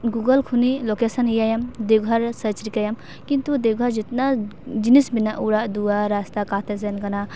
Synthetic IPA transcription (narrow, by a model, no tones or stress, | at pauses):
ɡuɡɐlkʰunilokesɐnijajɐmd̪ewɡʱɐɾsət͡ʃɾikajɐm | kint̪ud̪ewɡʱɐɾd͡ʒit̪nad͡ʒinisbinːaʔuɽaʔd̪uaɾast̪akat̪ʰes̬enkɐna